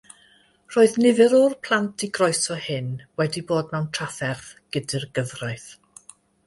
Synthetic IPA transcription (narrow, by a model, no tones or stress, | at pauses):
r̥oːɨðnɪvɨɾɔrpʰl̥ˠantʰiɡrɔɨsɔhɪnwɛdiboːd̚mɛwntʰr̥afɛrθɡ̥ədɨrɡəvrajθ